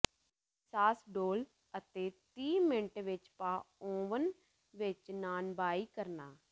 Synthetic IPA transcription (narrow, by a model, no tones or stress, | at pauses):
saːsɖoːl | ət̪eːt̪iːmɪɳʈʋɪt͡ʃpaːõːʋən | ʋɪt͡ʃnaːnbaːiːkəɾnaː